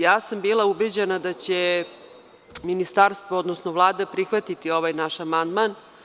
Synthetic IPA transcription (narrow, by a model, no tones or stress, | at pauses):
jaːsambiːlaubed͡ʑenad̪at͡ɕe | minist̪aɾst̪ʋood̪nosnoʋlˠaːd̪apɾixʋat̪it̪io̞ʋaːjnaʃamand̪man